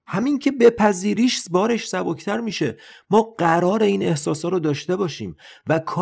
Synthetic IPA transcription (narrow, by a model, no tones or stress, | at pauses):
hæmincʰe̞be̞pʰæziːɾiːʃsbɒːɾe̞ʃsæboct̪ʰæɾmiːʃe̞mɒːɢæɾɒːɾe̞iːne̞hsɒːsɒːɾod̪ɒːʃt̪e̞bɒːʃḭːmvækʰɒ